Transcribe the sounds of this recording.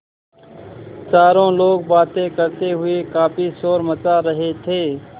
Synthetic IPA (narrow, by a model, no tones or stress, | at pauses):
t͡ʃaːɾõːloːɡ̚baːt̪ẽːkəɾt̪eːɦʊeːkaːpʰiːsoːɾmət͡ʃaːɾəɦeːt̪ʰeː